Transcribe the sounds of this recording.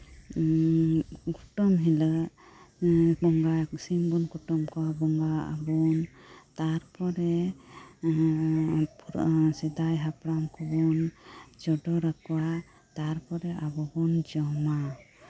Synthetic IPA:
ɡuʈɔmɦilə | bɔŋɡasimbunkuʈɔmkɔabɔŋɡaa̰bɔn | t̪aɾpɔɾɛ | pʰsɛd̪ajɦapɾamkʰɔbɔnd͡ʒɔɖɔɾakuwa | t̪aɾpɔɾɛabɔbɔnd͡ʒɔma

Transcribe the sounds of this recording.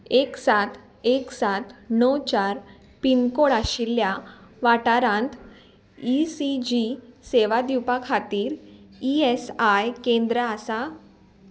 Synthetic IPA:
eksat̪ʰ | eksat̪nəwt͡ɕaɾ | pinkoɽaɕiljaʋaʈaɾãnt̪ | isid͡ʑiseʋad̪iwpakʰat̪iːɾiesajkẽnd̪ɾəasa

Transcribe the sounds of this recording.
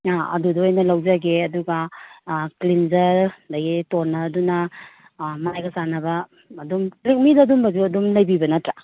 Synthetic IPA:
aɐ̰dudɐojnɐlawd͡ʒaɡeɐduɡa | klinzɐɾdɐɡitoɾnɐːdunɐ | mɐnajɡɐsanɐbɐː | dumklek̚midadumbɐzuɐdumlɐjbibɐnɐtɾa

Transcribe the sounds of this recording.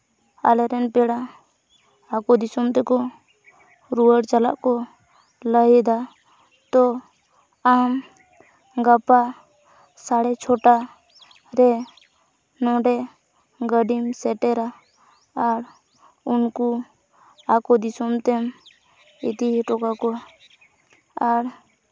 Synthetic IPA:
a̰lɛɾɛnpɛɽaː | kɔd̪isɔmt̪ɛkɔ | ɾuwəɽt͡ʃala̰ʔkɔ | ləɦɛd̪a | t̪ɔ | am | ɡapa | saɽɛt͡ʃʰɔʈa | ɾɛ | nɔɖɛ | ɡəɖimsɛʈɛɾaː | ɾ | unku | akɔd̪isɔmt̪ɛm | ḭt̪iʈɔkakɔ | aɾ

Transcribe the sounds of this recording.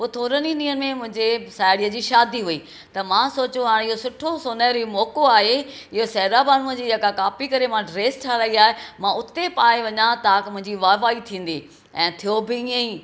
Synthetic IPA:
ɦʊt̪ʰoːɾəninĩːənɪ̆mẽmʊ̃ɦɪ̃ɲd͡ʑesaːɪɽiːəd͡ʑiːʃaːd̪iɦuiː | t̪ɐmãːsoːt͡ɕoɦaːɽ̃ɪɦosʊʈʰosʊnəɾɪmɔːkoaːɦe | ɪɦosɐɦɾabaːnuəd͡ʑiːd͡ʑeːkakaːpikɐɾemãɖɾeːsʈʰaɾaiaːɦemãʊt̪epaːeʋɐɲãt̪aːkɪmʊ̃ɦɪ̃ɲd͡ʑiʋaːʋaːit̪ʰĩːn̆d̪iː | ɛ̃ːt̪ʰijobɪĩə̃iː

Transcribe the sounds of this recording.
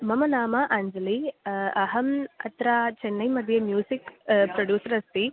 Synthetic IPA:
mɐmɐnaːmɐʔaɲd͡ʒɐliɐɦɐmɐ̰t̪ɾat͡ʃenːɐjmɐd̪ʱjɐmjuːsikpɾoɖjuːsɐɾɐst̪i

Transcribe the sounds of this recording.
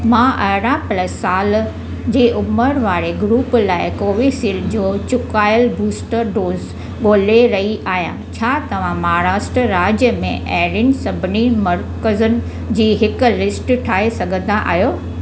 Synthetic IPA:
mãːʔɐɦɾãpɐləsaːl | d͡ʑeːʔʊməɾʋaːɾeɡɾuːplaːɪkoːʋisiːld͡ʑoːt͡ɕʊkaːjəlbuːsʈəɾɖoːz | ɠoːleɾɐɦiʔaːɦijã̰t͡ɕʰaːt̪ɐʋ̤ãmɐaːɾaːsʈɾəɾaːd͡ʑjəmḛ̃ʔɛːɾɪnsɐbʱɪnimɐɾkəzənɪ̆ | d͡ʑiːɦɪkʊ̆lɪsʈʈʰaːɦesɐɡʱə̃nd̪aʔa̰ːɦjoː

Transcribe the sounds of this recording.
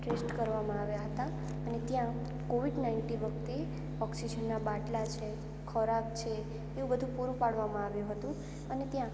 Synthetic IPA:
ʈɾesʈkəɾʋamãaʋjaɦət̪a | ənet̪jã | koʋiɖnaiɳʈĩʋək̚t̪e | ɔksid͡ʒənːabaʈlat͡ʃʰe | kʰɔɾakt͡ʃʰeː | ũbəd̪ʱũpuɾũpaɽʋamãaʋjũɦət̪ũ | ənet̪jã

